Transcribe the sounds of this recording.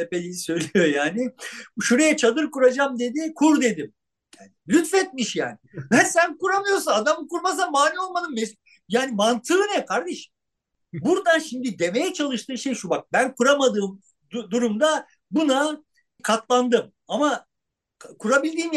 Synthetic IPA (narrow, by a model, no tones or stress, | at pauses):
t̪ʰepelʲijisø̞jlʲijo̞jaːnɪʃuɾejɛt͡ʃʰad̪ɯɾkuɾad͡ʒamd̪e̞d̪ikʰuɾd̪e̞d̪im | jaːnɪlʲyt̪fɛt̪̚miʃja̰ːnɪvænsænkuɾamɯjo̞ɾsunad̪amɯkuɾmas̬amaːlʲio̞lˠmanɯmmes | jaːnimant̪ʰɯːnɛkʰaɾd̪ɛʃm | buɾd̪anʃimd̪id̪e̞me̞jɛt͡ʃʰalˠɯʃt̪ʰɯːʃe̞jʃubak̚bænkʰuɾamad̪ɯːm | d̪uɾumd̪a | buna | kʰat̪lˠand̪ɯm | ama | kʰuɾabilʲd̪iːm